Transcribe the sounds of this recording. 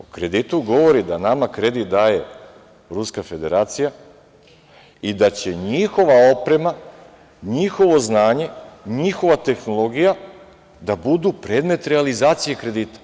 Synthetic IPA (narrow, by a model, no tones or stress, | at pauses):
okɾe̞d̪it̪uɡo̞ʋo̞ɾid̪anamakɾe̞d̪it̪̚d̪aːje̞ | ɾuskafe̞d̪e̞ɾaːt̪sija | id̪at͡ɕe̞ɲixo̞ʋao̞pɾe̞ma | ɲixo̞ʋo̞znaːɲe̞ɲixo̞ʋat̪e̞xno̞lˠo̞ɡija | d̪abud̪upɾe̞ːd̪me̞t̪ɾealizaːt̪sije̞kɾe̞d̪iːt̪ḁ